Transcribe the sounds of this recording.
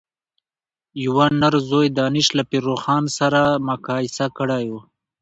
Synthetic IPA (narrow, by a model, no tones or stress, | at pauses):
jiwanaɾzojd̪ɑːnɪʃlapiɾoxɑːnsaɾamakɑːɪsakəɽaju